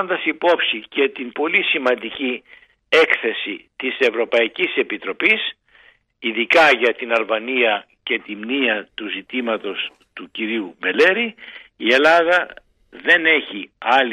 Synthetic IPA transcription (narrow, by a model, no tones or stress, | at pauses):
nd̪ɐsipo̞psice̞t̪impo̞lisimɐnd̪ici | e̞kθe̞sit̪ise̞vɾo̞pɐicise̞pit̪ɾo̞pis | iðikɐʝɐt̪inɐlvɐniɐ | ce̞t̪imniɐt̪uzit̪imɐt̪o̞s | t̪uciɾiume̞le̞ɾiie̞lɐðɐ | ðe̞ne̞çiɐl